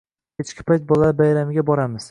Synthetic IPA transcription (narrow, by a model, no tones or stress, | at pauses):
et͡ʃkʲʰɪ̥pʰajt̪̚bɒlabajɾamɪɡʲabɒɾamɪz̥